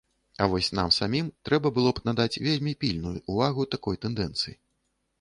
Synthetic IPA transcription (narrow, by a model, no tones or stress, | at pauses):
ɐvɔsʲn̪a̰msamʲimt̪ɾɛbɐbɨlˠɔpnad̪at͡sʲvʲelʲmʲipʲilʲnujuʔːvaɣut̪akɔjt̪ɛnd̪ɛnt̪sɨji